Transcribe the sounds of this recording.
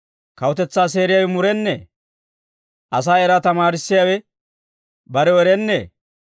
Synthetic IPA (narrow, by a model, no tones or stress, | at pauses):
kɐwɔt̪ɛt͡sːaːs̬e̞ːɾɪjaːwɛmʊɾɛnːḛː | ʔɐs̬aːɛɾat̪ɐmaːɾɪsːɪjaːwɛ | bɐɾɛwɛɾɛnːḛː